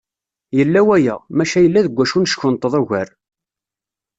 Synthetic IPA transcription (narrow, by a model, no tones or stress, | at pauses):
jəlːæwæjæ̰mæʃæjəlːæðəɡʷːæʃunʃçʊnt̪ˤːəðˤæʝæɾ